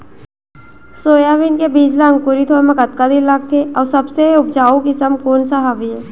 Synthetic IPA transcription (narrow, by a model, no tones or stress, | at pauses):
soːjaʋɪnkebiːslaə̃ŋɡkʊɾit̪ʰoːmẽkɐt̪̚kad̪ɪlːaɡ̚t̪ʰeɔːɾsɐbseɦʊp̚t͡ʃaːukɪsəmkoːnsaɦaːʋiɦɛː